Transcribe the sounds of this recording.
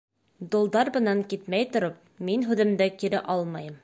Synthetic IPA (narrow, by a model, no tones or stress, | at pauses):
d̪ŏlˠd̪ɑɾbɤ̆nɑŋkit̪mæjt̪ŏɾop̚minɦʉðɘ̆md̪ækiɾɘʔɑlˠmɑjɤm